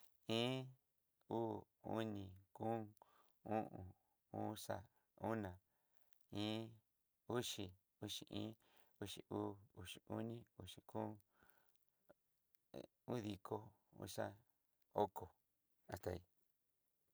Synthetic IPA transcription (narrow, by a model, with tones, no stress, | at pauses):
ĩː˦ | uː˦ | u˦nĩ˧kũː˦ | ũ˦ʔũ˨ | u˦sa̰˧ | u˦nã˨ | ĩː˦ | u˦ʂi˧˨ | u˦ʂi˨ʔĩː˦ | u˧ʂi˨uː˦u˧˨ʂi˨u˦nĩ˦u˧ʂi˨ku˦ | u˦ði˧kʰo˦ | ṵ˦sa˦ | o˦ko˨ | a˨t̪a˧˨i˧